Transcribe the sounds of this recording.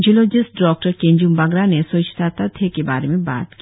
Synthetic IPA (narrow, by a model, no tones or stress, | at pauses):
d͡ʒulod͡ʒisʈɖɔːk̚ʈəɾkẽɲd͡ʒumbɐɡɾanesot͡ʃt̪ʰat̪at̪ʰekeba̰ːɾemẽba̰ːt̪ki